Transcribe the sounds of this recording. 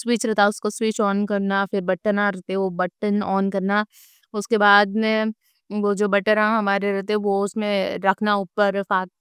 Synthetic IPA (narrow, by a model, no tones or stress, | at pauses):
swiːt͡ʃɾɛɦt̪aʊskoswiːt͡ʃɔːnkɐɾnafɪɾbɐʈənãɾɐɦt̪eɛ̃ʋobɐʈənɔːnkɐɾna | ʊskebaːd̪mẽ | ʋod͡ʒoːbɐʈəɾãɦɐmaːɾeɾɛɦt̪eɦɛ̃ʋoʊsmẽɾɐkʰnaʊːpəɾfaːk